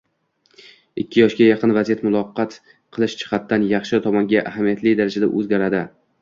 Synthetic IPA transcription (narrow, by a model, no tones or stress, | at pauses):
ɪkʲʰːɪjɒʃɡʲajɑqɨnvazijat̪mʊlˠɒqːɑt̪ | qʰɨlˠɪʃt͡ʃʰɪ̥χɑt̪ʰːanjɑχʃɪt̪ʰɒmɒŋɡʲaʔahamijat̪lɪd̪aɾad͡ʒad̪a̰ʔɵzɡʲaɾad̪ɪ